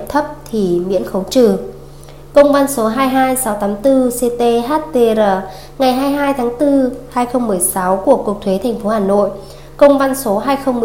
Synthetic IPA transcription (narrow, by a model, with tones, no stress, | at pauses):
p̚t̪ʰə˦˥p̚t̪ʰi˨˩mḭ˧˥ənxə˨˦wt͡ɕɨ˨˩ | kə˧wŋ͡mva˧nso˨˦ɦaː˧jɦaː˧jsa˨˦wt̪aː˨˦mt̪ɨ˧se˧t̪e˧ɦaː˦˥t̚t̪e˧zəː˨˩ | ŋa˨˩jɦaː˧jɦaː˧jt̪ʰaː˨˦ŋt̪ɨ˧haː˧jxə˧wŋ͡mːɨ˨˩əjsa˨˦wku˧˩əku˨˩ək̚t̪ʰwe˨˦t̪ʰɛ˨˩ŋ̟fo˨˦haː˧˩no̰˧˨j | kə˧wŋ͡mva˧nso˨˦ɦaː˧jxə˧wŋ͡mmɨ˨˩